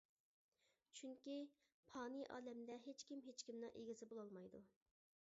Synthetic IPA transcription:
t͡ʃʰyŋkʲi | pʰɑːnɨʔɑ̰ːlɛmd̪ɛɦet͡ʃkʲimɦet͡ʃkʲimnɨŋʔeɡʲzɪbolˠɑlˠmɑjd̪u

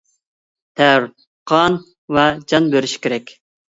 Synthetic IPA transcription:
t̪ʰæɾ | qʰɑn | vɛd͡ʒɑnbøɾyʃkʲeɾɛkʲ

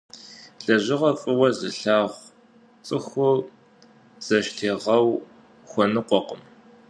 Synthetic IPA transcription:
ɬɐʑɪʁɐfʼɨwɐzɨɬaːʁʷ | t͡sʼɨxʊ | z̥ɐʃtʰeːʁɐw | xʷɔnɨqʷɔqəm

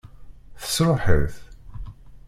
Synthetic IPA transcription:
θə̥sɾˤoħə̰ɾθ

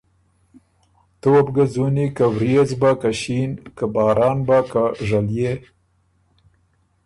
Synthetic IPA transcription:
t̪obɡazunikawɾezbakaʃinkabɑːɾʔɑːnbakaʐalje

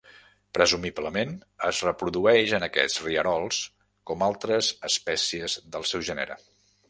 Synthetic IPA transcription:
pɾəzumibləmenəzrəpɾuðuɛʃənəkɛ̰t͡sriəɾɔlˠs | kɔmalˠt̪ɾəzəspɛsiəzðəlˠsɛwʒɛnə̰ɾə̰

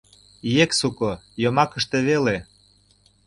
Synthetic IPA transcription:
jeksukojomɑkə̆ʃt̪eβele

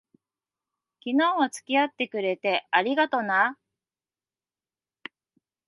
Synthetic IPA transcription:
kʲinãβat͡sɨ̥kʲiat̪ːe̞kɯ̟ɾe̞t̪e̞aɾʲiɡat̪o̞na

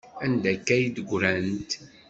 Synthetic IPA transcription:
ænd̪ækːæjid̪əɡʷɾænt̪

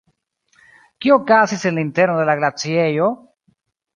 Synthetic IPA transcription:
kiokasisenlint̪eɾnoðelaɣlat͡sjejo

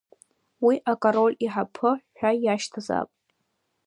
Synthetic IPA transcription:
wiʔakʼoɾo̞lʲiħapʰɨħʷᶣajaʃtʰaza̰pʼ

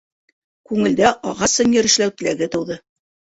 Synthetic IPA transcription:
kʉŋɘ̆ld̪æʔɑʁɑsɤnjɘ̆ɾɘ̆ʃlæwt̪ɘ̆læɡɘt̪ɤ̆wðɤ

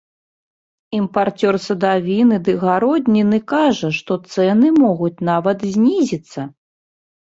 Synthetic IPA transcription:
impart͡sʲɔrsɐd̪avʲinɨd̪ɨɣaɾɔd̪ʲnʲinɨkaʐɐʂt̪ɔt̪sɛnɨmɔɣut͡sʲnavɐt̪zʲnʲizʲit̪sːɐ

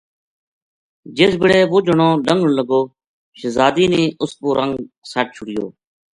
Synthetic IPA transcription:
d͡ʒɪsbɪɽeːʋoːd͡ʒəɳõːɖəŋɡɳləɡoː | ʃəzaːd̪iːnĩːʔʊspoːɾʔəŋɡsaʈ̚t͡ʃʰʊɽɪjo̰ː

